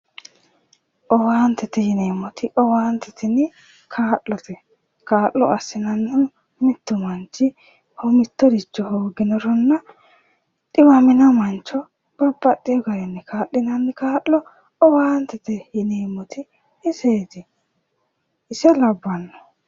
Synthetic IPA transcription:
ʔɔwaːnt̪ɛt̪ɛjɪneːmːɔt̪ʰɪʔɔwaːnt̪ɛt̪ɪnɪ | kʰaːʔːɔt̪ʰɛ | kaːʔːɔ̰ɐsːɪnɐnːɪnʊ | mɪt̪ːʊmɐnt͡ʃːɪ | hɔmɪt̪ːɔd̪ɪt͡ʃːɔhoːɡɪnɔɾɔnːɐ | t̪ʼɪmɐmɪnɐmɐnt͡ʃːɔ | b̥ɐbːɐt̪ʼːɪjɔɡɐɾɛnːɪkʰaːʔːɪnɐnːɪkaːʔɔ | ɔwaːnt̪ɛt̪ɛjɪneːmːɔt̪ɪ | ɪseːt̪ɪ | ɪsɛlɐbːɐnːɔ̥

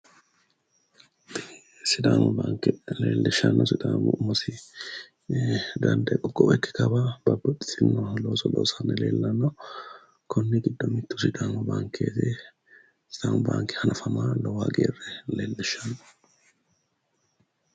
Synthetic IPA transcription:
sɪd̪aːŋɔbaːŋkɛle̞̰ːlːɛʃːɐnːɔsɪd̪aːmʊ̰mɐsɪ | d̪ɐnd̪ɐkʼɔɡʼɔʔɛkːɛ̥kɐbabɐbːɐt̪ʼːɪ̥sɪnːɔloːsɔlo̰ːsanːɛlḛːlːɐnːɐ | kʰɔnːɪɡɪd̪ːɔmɪt̪ːʊ̥sɪd̪aːŋɔbaːŋkʰːeːt̪ɛ | sɪd̪aːŋʊba̰ːŋkːɛ̥hɐnʔɐfɐmaːlɔwaːɡḛːrɛleːlːɛʃːɐnːɔ̥

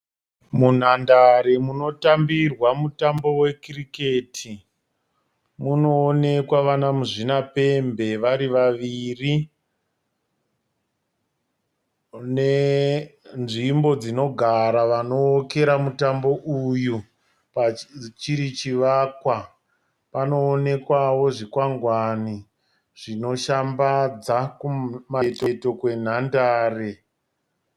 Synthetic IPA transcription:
mun̤andaɾemuno̞tambirwamutambo̞we̞kirikeːtʰi | muno̞ːne̞kwaʋanamuʐinape̞mbe̞ʋaɾiʋaʋiri | ne | nʐimbo̞d͡zino̞ɡʱaɾaʋano̞ːke̞ɾamutambo̞ʔuju | pat͡ʃiɾit͡ʃiʋaːkwa | pano̞ːne̞kwaʋo̞ʐikwaŋɡwani | ʐ̥ino̞ʃambad͡zakumatoto̞kwe̞n̤andaːre

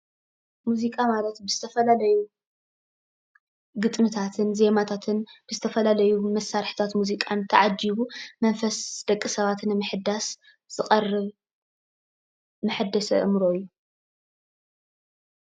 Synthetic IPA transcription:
muzikʼamalɐt̪bɨz̥ɨt̪ʰɐfɐlalɐju | ɡɨt̪ʼmɨt̪ʰat̪ʰɨnze̞mat̪ʰat̪ʰɨnb̥ɨzɨt̪ʰɐfɐlalɐjumɐsːaɾħt̪ʰat̪muzikʼant̪ʰɐʕad͡ʒiβumɐnfɐsd̪̥ɐkʼːisɐβat̪nɨmɨħɨd̪as | z̥ɨqʼɐrːɨβ | mɨħɨd̪ɐsɐ̰ʔɨmɾoɨjːu

